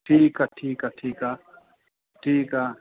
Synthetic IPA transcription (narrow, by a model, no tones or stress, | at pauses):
ʈʰiːkaʈʰiːkaʈʰiːka | ʈʰiːka